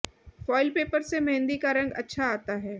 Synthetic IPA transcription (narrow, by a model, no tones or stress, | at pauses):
fɔːɪlpeːpəɾsemɛɦnd̪ikaɾɐ̃ŋɡɐ̰tːʃʰaaːt̪aɦɛː